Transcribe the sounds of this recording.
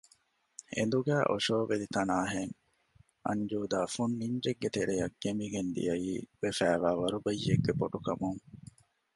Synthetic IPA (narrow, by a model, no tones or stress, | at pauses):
ḛnd̪uɡæːʔoʃoːʋelit̪ɐnaːɦeŋ | ʔɐ̰ɲd͡ʒuːd̪aːfunːiɲd͡ʒeɡːet̪eɾejɐk̚ːemiɡend̪ḭjɐjiːʋefæːʋaːʋɐɾubɐjːeɡːepoʈukɐmuŋ